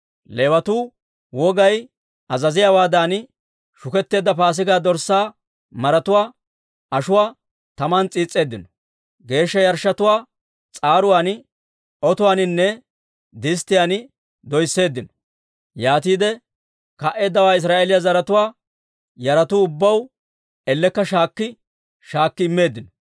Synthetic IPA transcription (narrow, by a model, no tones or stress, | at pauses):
leːwɐt̪uː | wɔɡɐj | ɐzɐzɪjaːwaːd̪aːnɪ | ʃʊkɛt̪ːe̞ːd̪ːɐpaːs̬ɪɡaːd̪ɔɾsːaː | mɐɾɐt̪ʊwaː | ɐʃʊwaː | t̪ɐmɐnt͡sʼiːt͡sʼːe̞ːd̪ːɪnɔ̥ | ɡe̞ːʃːɐjɐɾʃːɐt̪ʊwaː | t͡sʼaːɾʊwaːn | ɔt̪ʊwaːnɪnːɛ | d̪ɪst̪ɪjanɪ | d̪ɔjsːe̞ːd̪ːɪnɔ̥ | jaːt̪iːd̪ɛ | kɐʔe̞ːd̪ːɐwaːɪs̬ɾaːʔeːlɪjɐzɐɾɐt̪ʊwaː | jɐɾɐt̪uːʊbːɐw | ɛlːɛkːɐʃaːkːɪ | ʃaːkːɪɪmːe̞ːd̪ːɪnɔ